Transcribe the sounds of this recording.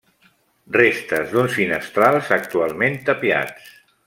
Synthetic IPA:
rest̪əzðunsfinəst̪ɾalˠzək̚t̪ualˠment̪əpia̰t͡s

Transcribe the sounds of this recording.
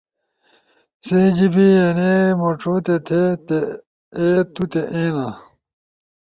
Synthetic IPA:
sẽːd͡ʑibienemoʈ͡ʂʰoːt̪et̪ʰet̪e | eːt̪ut̪eʔẽːna

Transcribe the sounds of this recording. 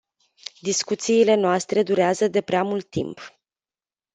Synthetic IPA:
d̪iskut̪siːle̞noast̪ɾe̞d̪uɾeazəd̪e̞pɾeamult̪ːḭmp

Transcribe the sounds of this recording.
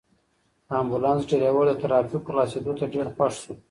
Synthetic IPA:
ambulɑnsɖeɾawəɽət̪aɾɑfiklɑsed̪ot̪aɖeɾxwaʂsu

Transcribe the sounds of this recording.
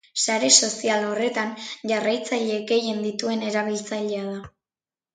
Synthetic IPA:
saɾe̞so̞sialo̞re̞t̪anʝarajt͡saʎe̞ɡe̞je̞nd̪it̪ue̞ne̞ɾaβ̞ilt͡saʎe̞að̞a

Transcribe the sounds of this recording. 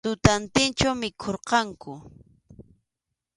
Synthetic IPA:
t̪ʊt̪ant̪ɪnt͡ʃamɪkʰoɾqɑŋkʊ

